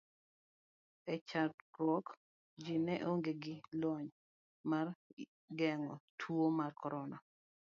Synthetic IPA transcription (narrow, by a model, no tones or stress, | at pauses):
ɛt͡ʃatɾɔk | d͡ʒinɛʔoŋɡeɡɪlwɔɲ | mar | ɡɛŋɔtʰomarkɔɾɔna